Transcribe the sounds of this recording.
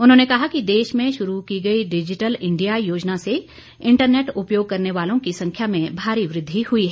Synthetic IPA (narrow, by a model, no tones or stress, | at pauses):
ʊnɦõːnekɐɦakid̪eːʃmẽʃʊɾukiɡɐiɖɪd͡ʒɪʈəlɪ̃ɳɖijajoːd͡ʒnase | ɪ̃ɳʈəɾneːʈʊpjoːɡ̚kɐɾneʋaːlõkisɐ̃ŋkʰjamẽbʱaːɾiʋɾɪd̪ʱːihʊiɦɛː